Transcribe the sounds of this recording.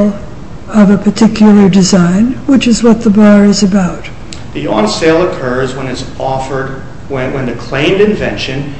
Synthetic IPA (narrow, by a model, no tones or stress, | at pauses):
lˠ | ʌvɨpʰə˞tʰɪkʰjl̩ˠə˞dɨzãɪ̃nwɨt͡ʃɨzwʌt̪̚ðəbɑɹɨzɨbaʊt̚ | ðiɑ̃nseɪlˠəkʰɜ˞zwə̃nɨzɔfə˞d̚ | wɨ̃nðɨkʰl̥ẽɪ̃mdɨ̃ɱvɛ̰̃nʃɨ̃n